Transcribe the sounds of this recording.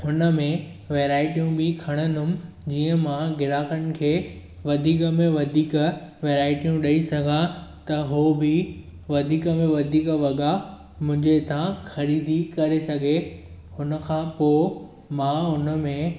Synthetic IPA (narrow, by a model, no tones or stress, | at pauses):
ɦʊnə̆mẽ | ʋeːɾaːɪʈijũbʱɪkʰɐɽ̃ənʊm | d͡ʑiːə̃mãɡɪɾaːkəñ̆kʰeː | ʋɐd̪ʱiːkəmẽʋɐd̪ʱiːkʋeːɾaːɪʈijũɗɐisɐɡʱat̪ɐɦoːbɪ | ʋɐd̪ʱiːkəmẽʋɐd̪ʱiːkʋɐɠa | mʊ̃ɦɪ̃ɲd͡ʑeɪt̪ʰãxɐɾiːd̪ʱikɐɾesɐɡʱe | hʊnə̆kʰãːpo | mãɦʊnə̆mẽ